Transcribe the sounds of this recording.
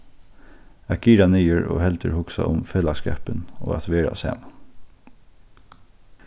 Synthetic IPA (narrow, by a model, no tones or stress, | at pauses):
æɡ̚ɡiːɾanyːəɹo̰ːhɛlt̪əɾhʊksaʔʊmfeːlaskɛ̰ːpəno̰ːæt̪ʋeːɾa̰sæ̰ːm